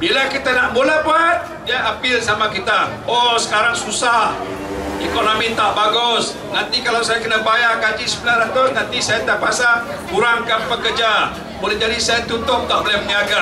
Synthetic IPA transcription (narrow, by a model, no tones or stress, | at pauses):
bilakit̪anaʔmulapaat̪̚ | diaʔapɪlsamakit̪a | ɔsə̥kaɾaŋsusah | ekonomit̪aʔbaɡʊs | nant̪ikalawsajakənabajakad͡ʒisəbəlaɾat̪ʊsnant̪isajat̪apasa | buɾaŋkanpəkərd͡ʒa | mulɛd͡ʒadisajat̪ut̪ʊp̚t̪aʔlaməɲaɡa